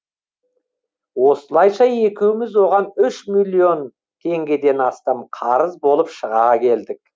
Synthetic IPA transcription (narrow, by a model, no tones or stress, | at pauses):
wo̞səlˠɑjʃɑje̞kʲewɪmɪzwo̞ʁɑnʏʃmilʲˠːio̞n | t̪ʰe̞ŋɡʲe̞d̪e̞nɑst̪ɑmqʰɑɾəzbo̞lˠəpʃəʁɑkʲʰe̞ld̪ɪk̚